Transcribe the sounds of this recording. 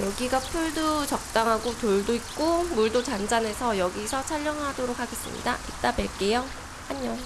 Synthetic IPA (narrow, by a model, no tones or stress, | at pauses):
jʌɡiɡapʰuɭdut͡ɕʌk̚t͈aŋɦaɡotoɭdoit̚k͈omuɭdot͡ɕand͡ʑane̞sʰʌjʌɡisʰʌt͡ɕʰaʎːʌŋɦadoɾok̚ʰhaɡe̞s͈ɯ̰mɲḭdait͈abeɭk͈e̞jo | haɲːʌ